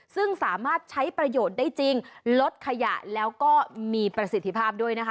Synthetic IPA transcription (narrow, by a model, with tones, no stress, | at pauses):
sɯ˥˩ŋsaː˩˦maː˥˩t̪̚t͡ɕʰa˦˥jpɾa˧joː˨˩t̪̚daː˥˩jt͡ɕi˧ŋlo˦˥t̪̚kʰa˧ja̰˨˩ʔlɛː˦˥wkɔː˥˩miː˧pɾa˧si˨˩t̪ʰːi˧pʰaː˥˩p̚du˥˩əjna˦˥kʰ